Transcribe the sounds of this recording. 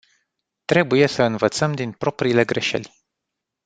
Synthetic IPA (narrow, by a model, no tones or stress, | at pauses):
t̪ɾe̞buje̞səɨnvət̪səmd̪inpɾo̞pɾiːle̞ɡɾe̞ʃe̞̰lʲ